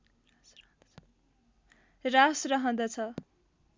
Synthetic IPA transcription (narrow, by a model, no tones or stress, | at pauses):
rasrʌɦʌnd̪ʌt͡sʰʌ